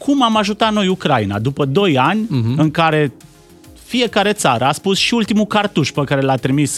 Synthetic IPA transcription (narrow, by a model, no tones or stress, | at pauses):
kʰumamaʒut̪atno̞jukɾaina̰d̪upəd̪o̞janʲɨŋkaɾe̞ | fie̞kaɾe̞t̪saɾəaspusʃiult̪imukart̪uʃpəkaɾe̞lat̪ɾimis